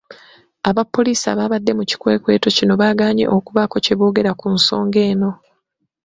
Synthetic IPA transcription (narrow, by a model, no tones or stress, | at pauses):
aβapːo̞liːsa̰βaːβadːe̞muci̥kwe̞ːkwe̞ːto̞cino̞βaːɡaːɲe̞̰ʔokuβako̞ce̞βoːɡe̞ɾakunso̞ːŋɡe̞ːno̞